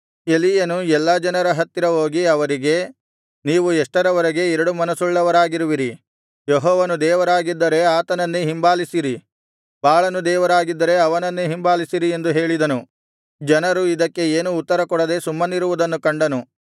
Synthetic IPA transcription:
e̞lijɐnuɛlːɐd͡ʒɐnɐɾɐɦɐt̪ːiɾɐɦoːɡiɐʋɐɾiɡe̞ | niːʋuɛʂʈɐɾɐʋɐɾɐɡe̞ɛɾɐɽumɐnɐsuɭːɐʋɐɾaːɡiɾuʋiɾi | jeɦɔːʋɐnud̪ɛːʋɐɾaːɡid̪ːɐɾe̞aːt̪ɐnɐnːiɦimbaːlisiɾi | baːɭɐnud̪ɛːʋɐɾaːɡid̪ːɐɾe̞ɐʋɐnɐnːeɦimbaːlisiɾie̞nd̪uɦe̞ːɭid̪ɐnu | d͡ʒɐnɐɾuid̪ɐkːe̞eːnuːt̪ːɐɾɐkɔɽɐd̪e̞sumːɐniɾuʋud̪ɐnːukɐɳɖɐnu

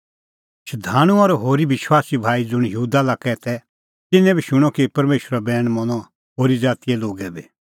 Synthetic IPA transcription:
ʃɐd̪ʱaːɽ̃ũɔɾɔɦoːɾiʋɪʃwaːsibʱaːid͡zʊɽ̃jɐɦuːd̪alakɛt̪ʰɛ | t̪ɪnɛ̃bʱiʃʊɽ̃ɔkipɐɾmeːʃɾabɛːɽ̃mɔñɔ | ɦoːɾid͡zaːt̪ijɛloːɡɛbi

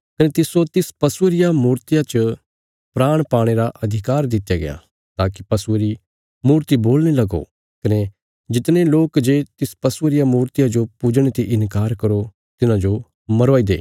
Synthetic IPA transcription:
kɐnet̪ɪsot̪ɪspɐsʊɾɪjamuːɾt̪ɪjat͡ʃə | pɾaːɽ̃paːɽ̃eɾaʔɐd̪ʱɪkaːɾd̪ɪt̪jaɡɐ̰ja̰ | t̪aːki̥pɐsʊɾi | muːɾt̪iboːlnelɐɡo̰ | kɐne | d͡ʒɪt̪neloːkd͡ʒeːt̪ɪspɐsʊɾɪjamuːɾt̪ɪjad͡ʒopud͡ʒɽ̃et̪eʔɪ̃nkaːɾkɐɾo | t̪ɪnãd͡ʒo | mɐɾaːid̪ḛː

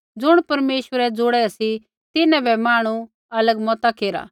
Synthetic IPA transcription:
d͡zʊɽ̃pɐɾmeːʃʋəɾɛd͡zʊɽɛɐsi | t̪ɪnɛ̃bʱɛmaːɽ̃u | ɐləɡmɔːt̪akeːɾa̰ː

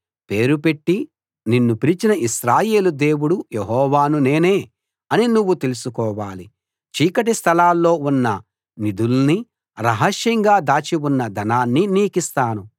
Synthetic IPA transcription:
pe̞ːɾupe̞ʈːi | ninːupiɾit͡ʃinɐiʃɾaːje̞ːlud̪e̞ːwuɽujeɦɔːʋaːnune̞ːneː | ɐninuʋːut̪e̞lusukɔːʋaːli | t͡ʃiːkɐʈ̬ist̪ʰɐlaːlːo̞ːunːɐ | nid̪ulni | ɾɐɦɐʃjɐŋɡaːd̪aːt͡ʃiunːɐd̪ʱɐnaːnːiniːkist̪aːnu

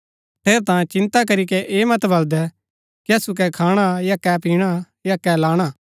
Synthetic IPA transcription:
ʈʰeːɾt̪ãːt͡ʃɪ̃nt̪akɐɾikɛʔeːmɐt̪bɐld̪ɛ | kiɐsuk̬ɛkʰaːɽ̃ajakɛpiːɽ̃a | jakɛlaːɽ̃aː

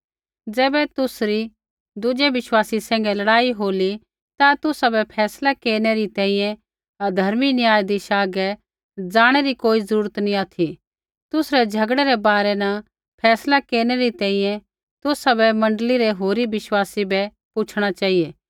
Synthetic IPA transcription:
d͡zɛːbɛt̪ʊsɾi | d̪ʊd͡ʒeʋɪʃwaːsisɛ̃ːŋɡɛlɐɽaːiɦoːli | t̪at̪ʊsabɛpʰɛːslakeːɾñeɾit̪ɛ̃ːĩjɛ̃ | ɐd̪ʱɐɾminiaːjd̪iʃaːɡɛ | d͡zaːɽ̃ɛɾikoːizɐɾuːɾət̪nĩaːt̪ʰi | t̪ʊsɾɛd͡ʒʱɐɡɽɛɾɛbaːɾɛnɐ | pʰɛːslakeːɾñɛɾit̪ɛ̃ːĩjɛ̃ | t̪ʊsabɛmɐ̃ɳɖəliɾɛɦoːɾibɪʃwaːsibɛ | pʊt͡ʃʰɽ̃at͡ʃaːijeː

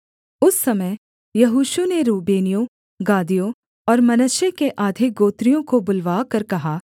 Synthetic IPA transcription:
ʊsːɐməj | jɐɦuːʃuneɾuːbeːnijo | ɡaːd̪ijo | ɔːɾmɐnəʃekeʔaːd̪ʱɪɡoːt̪ɾijõkobʊlʋaːkɐɾkɐɦaː

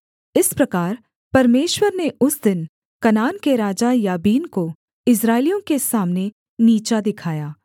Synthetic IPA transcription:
ɪspɾɐkaːɾ | pɐɾmeːʃwəɾneʊsd̪ɪn | kɐnaːnkeɾaːd͡ʒajaːbiːnko | ɪs̬ɾaːɪlijõkesaːmne | niːt͡ʃad̪ɪkʰaːjaː

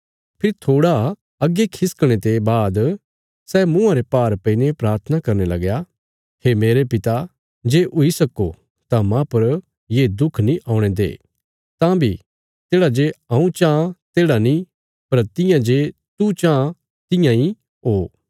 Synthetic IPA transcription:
pʰɪɾt̪ʰoːɽa | ɐɡːekʰɪskɽ̃et̪ebaːd̪ | sɛːmʊ̃ãɾepaːɾpɐinepɾaːɾt̪ʰənakɐɾnelɐ̰ɡja | hemeːɾepɪt̪a | d͡ʒeːʔʊisɐko | t̪amãpɐɾ | jeːd̪ʊkʰnĩʔaːʊɽ̃ẽd̪ḛː | t̪ãbʱi | t̪eːɽad͡ʒeãũt͡ʃãːt̪eːɽanĩ | pɐɾt̪ɪjãd͡ʒe | t̪ut͡ʃãː | t̪ɪ̃jãi | ɦoː

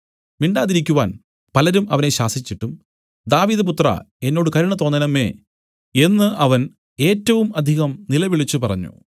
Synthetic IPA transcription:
miɳɖaːðiɾikʲːuʋaːn | pɐlɐɾumɐʋɐneɕaːsit͡ɕːiʈːum | d̪aːʋiːðɨp̬ut̪rɐ̰e̞nːo̞ːɽɨkɐɾuɳɐt̪o̞ːnɐnɐmːe̞̰ː | enːɨʔɐʋɐn | e̞ːtːɐʋumɐd̪ʱiɣɐmnilɐʋiɭit͡ɕːupɐrɐ̰ɲːṵ

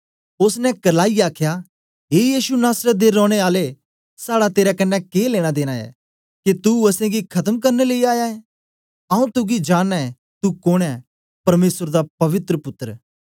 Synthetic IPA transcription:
ʊsnɛ̃kɐlaːiaːkʰja | ɦeːjiːsunaːsɾət̪̚d̪eɾɔ̃ːɽ̃eaːle | saːɽat̪eːɾakɐnːɛkeːleːɽ̃ad̪eːɽ̃aɛ̰ | kit̪uɐsẽɡikʰɐt̪əmk̬ɐɾneleiaːjaɛ | ɐũt̪uɡid͡ʒaːɽɛɛ | t̪ukoːɽ̃ɛ | pɐɾmeːsəɾd̪apɐʋɪt̪ɾəpʊt̪ːəɾ

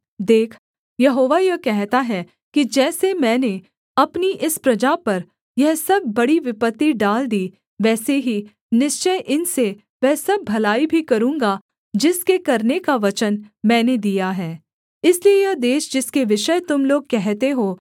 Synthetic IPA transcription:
d̪eːkʰ | jɐɦoːʋajɐkɛɦt̪aɦɛ | kid͡ʒɛːsemɛ̃ːne | ɐpniʔɪspɾɐd͡ʒapɐɾ | jɛɦsɐbʱːɐɽiʋɪpət̪ːiɖaːld̪iː | ʋɛːseɦi | nɪʃt͡ʃəjʔɪnse | ʋɛ̃ːsɐb̚ːʱɐlaːibʱikɐɾũːŋɡa | d͡ʒɪskekɐɾnekaʋɐt͡ʃənmɛ̃ːned̪ijaɦɛː | ɪsliejɐɦd̪eːʃd͡ʒɪskeʋɪʃət̪ʊmloːɡ̚kɛɦt̪eɦoː

